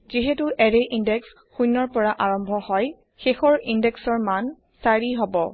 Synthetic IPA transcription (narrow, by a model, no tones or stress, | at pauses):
ziɦetuʔɛɹeʔindɛks | xujnːɔɹpɔɹaʔaɹɔmbʱɔhɔj | xexɔɹindɛksɔɹman | saɹiɦɔbɔ